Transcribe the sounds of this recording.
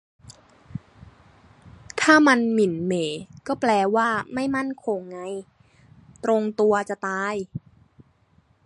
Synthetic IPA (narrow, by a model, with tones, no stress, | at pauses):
t̪ʰaː˥˩ma˧nmi˨˩˦nmeː˩˦kɔː˥˩plɛː˧waː˥˩ma˥˩jma˥˩nkʰo˧ŋːa˧j | t̪ɾo˧ŋt̪u˧ɐt͡ɕa˨˩t̪aː˧j